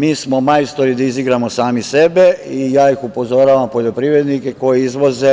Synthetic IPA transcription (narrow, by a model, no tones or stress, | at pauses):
miːsmo̞majst̪oɾid̪aiziɡɾamo̞saːmise̞be̞ijaːixupo̞zo̞ɾaːʋampo̞ʎo̞pɾiːʋɾe̞d̪nike̞ko̞jeizʋo̞ze